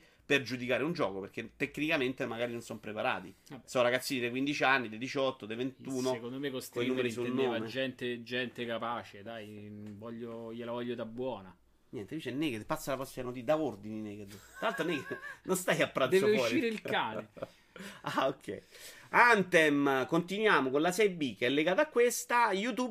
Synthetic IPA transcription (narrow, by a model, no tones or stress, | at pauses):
perd͡ʒud̪ikaːɾeund͡ʒɔ̰ːkoperk̟et̪ːekːnikament̪emaɡaːɾinonsɔmpɾepaɾa̰ːt̪isɔɾaɡat̪sːiːnid̪ekwind̪it͡ʃianːid̪ed̪it͡ʃɔt̪ːod̪event̪uːnokond̪omekost̪oilnuːmeɾisunnːoːvamed͡ʒːɛnt̪ed͡ʒɛnt̪ekapaːt͡ʃed̪ajvɔʎːojelavɔʎːod̪abːwɔːna | ɲjɛnt̪ebit͡ʃɛnːeɡed̪pat̪sːalapasjanot̪id̪aord̪inineːɡed̪t̪ːɾalalt̪ɾoneked̪nʔonst̪ajapːɾad̪d̪ɛvsefɔːʃɾiːɾeilkaːne | aokʰːɛ̰jant̪ɛmkont̪inwjaːmokonlasɛjbikːeɛlːeɡaːt̪aːkːwest̪ajut̪ub